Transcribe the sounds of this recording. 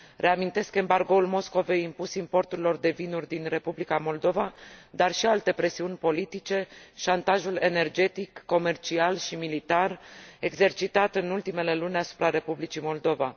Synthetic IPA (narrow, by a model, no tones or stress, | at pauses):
rʔe̞amint̪e̞ske̞mbarɡo̞ulmo̞sko̞ve̞jimpusimpo̞rt̪uɾilo̞rd̪e̞vinurʲd̪inre̞publikamo̞ld̪o̞vad̪arʃialt̪e̞pɾe̞siunʲpo̞lit̪it͡ʃe̞ʃant̪aʒule̞ne̞rd͡ʒe̞t̪ikːo̞me̞rt͡ʃialʃimilit̪are̞ɡze̞rt͡ʃit̪at̪ɨnult̪ime̞le̞lunʲasu̥pɾaɾe̞publit͡ʃimo̞ld̪o̞va̰